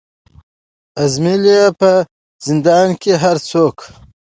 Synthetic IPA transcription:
azmiliapə | z̥ɪnd̪ɑːnkeɦaɾt͡sʰoːk

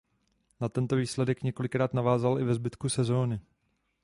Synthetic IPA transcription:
nat̪ɛnt̪o̞viːslɛdɛkɲɛko̞lɪkɾaːt̪navaːzalʔɪvɛzbɪt̪kusɛzo̞ːnɪ

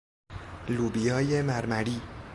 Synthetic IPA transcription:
luːbijɒːjemæɾmæɾiː

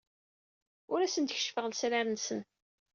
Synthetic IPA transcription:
ʊɾæsənt̪əç̥ʃfəʁəlsɾæɾənsən

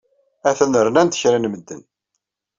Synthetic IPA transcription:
æθənəɾnænt̪ə̥çɾinməd̪ːə̰n

